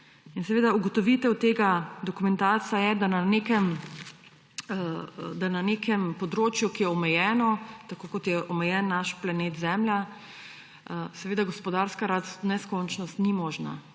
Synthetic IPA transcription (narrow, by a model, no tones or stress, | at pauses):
insɛʋeːd̪auɡɔt̪ɔʋit̪ɛwt̪eːɡad̪ɔkumɛnt̪aːsajɛd̪ananekɛm | d̪ananekʰɛmpɔd̪ɾoːt͡ʃjukijɛɔmɛjɛːnɔt̪akoːkɔt̪jɛʔɔmɛjɛnːaʃplaneːt̪zɛmlja | sɛʋeːd̪aɡɔspɔd̪aɾskaɾasnɛskɔnt͡ʃnɔst̪nimɔːʒna̰